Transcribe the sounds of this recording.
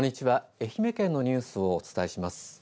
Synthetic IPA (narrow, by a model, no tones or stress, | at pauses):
õɲ̟ːit͡ɕiβae̞çʲime̞kẽ̞nːo̞ɲ̟ɨːsɨo̞ːt͡sɨ̥t̪aeiɕimasɨ̥